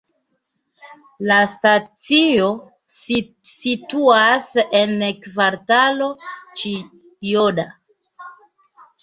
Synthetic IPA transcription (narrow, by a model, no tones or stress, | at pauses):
lastat͡sio̞ | situase̞nkvaɾtalo̞t͡ʃi | joda